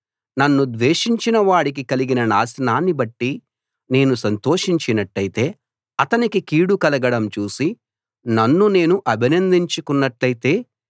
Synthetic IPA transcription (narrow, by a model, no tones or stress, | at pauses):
nɐnːud̪ʋeːʂiɲt͡ʃinɐʋaːɽik̬ikɐliɡinɐnaːsnaːnːibɐʈːi | ne̞ːnusɐnt̪o̞ːʂiɲt͡ʃinɐʈːɐjit̪e̞ː | ɐt̪ɐnikikiːɽukɐlɐɡɐɽɐmt͡ʃuːsi | nɐnːune̞ːnuʔɐbʱinɐnd̪iɲt͡ʃukunːɐʈlɐjit̪e̞ː